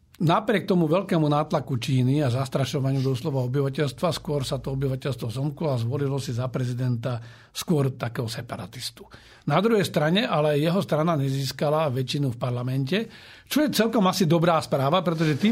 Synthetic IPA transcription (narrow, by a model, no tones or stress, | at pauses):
napɾɪɛk̚t̪ɔmuʋɛʎkɛːmunaːt̪lakut͡ʃiːniazast̪ɾaʃɔʋaɲɪud̪ɔslɔʋaɔbiʋacɛʎst̪ʋaskʊɔɾsat̪ɔɔbiʋacɛʎst̪ʋɔzɔmkulazʋɔlilɔsizapɾɛzid̪ɛnt̪a | skʊɔɾt̪akɛːɦɔsɛpaɾa̰t̪ist̪u̥ | nad̪ɾuɦɛjst̪ɾaɲɛʔalɛjɛɦɔst̪ɾanaɲɛziːskalaʋɛt͡ʃinufpaɾlamɛncɛ | t͡ʃɔjɛt͡sɛlkɔmasid̪ɔbɾaːspɾaːʋapɾɛt̪̬ɔʒɛt̪iː